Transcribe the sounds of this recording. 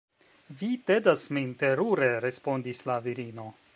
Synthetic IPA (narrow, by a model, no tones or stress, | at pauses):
vitedasminte̞ɾuɾe̞ɾe̞spo̞ndislaviɾino̞